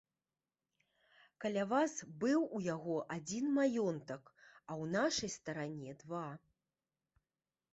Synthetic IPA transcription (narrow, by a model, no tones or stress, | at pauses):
kɐlʲavasbɨwujaɣɔʔad͡zʲinmajɔnt̪ɐkɐwnaʂɐjst̪ɐɾanʲɛd̪va